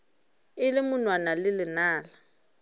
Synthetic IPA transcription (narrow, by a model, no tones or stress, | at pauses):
ɪlɪmʊnwanalɪlɪnaːla